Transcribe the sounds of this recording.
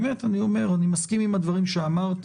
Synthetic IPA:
me̞t̪anio̞me̞ʁanimaskimimhad̪vaʁimʃeamaʁt̪

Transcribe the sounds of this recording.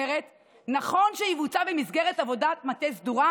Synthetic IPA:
eʁet | naχo̞nʃeivut͡savemizɡeʁetavo̞datmat̪ezd̪uʁa

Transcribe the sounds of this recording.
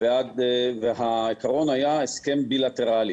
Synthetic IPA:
vead̪vehaikaʁo̞nhajaeskembilat̪eʁali

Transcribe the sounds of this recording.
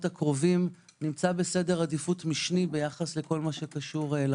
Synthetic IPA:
takʁovim | nimt͡sabe̞se̞de̞ʁadifutmiʃnibe̞jaχasle̞ko̞lmaʃe̞kaʃuʁela

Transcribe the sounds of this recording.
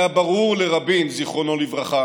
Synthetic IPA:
jabaʁuʁleʁabinziχʁo̞no̞livʁaχa

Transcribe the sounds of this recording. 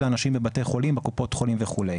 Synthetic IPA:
lanaʃimbebate̞jχo̞limbekupo̞t̪χo̞limveχulej

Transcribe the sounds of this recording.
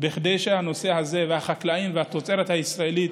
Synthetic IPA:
biχd̪ejʃe̞hano̞se̞haze̞vehaχaklaimvehat̪ot͡se̞ɾet̪haisʁae̞lit̪

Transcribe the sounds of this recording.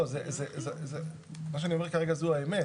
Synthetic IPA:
ozezezeze | maʃ̬eanio̞mekaʁeɡazuaeme

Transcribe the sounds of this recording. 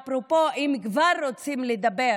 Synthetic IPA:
pɾopoʔimkvaɾːot͡simled̪abe

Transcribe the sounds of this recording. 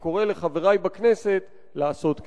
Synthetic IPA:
ko̞ʁe̞le̞χave̞ʁajbakne̞se̞t | laːso̞t̪k

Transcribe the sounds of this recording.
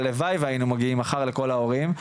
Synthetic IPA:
levajvajinumaɡiimaχaʁle̞ko̞lao̞ʁim

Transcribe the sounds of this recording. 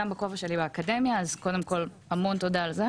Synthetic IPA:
ambekovaʃe̞libeakademjaːzko̞de̞mko̞lhamo̞nt̪o̞d̪aalze

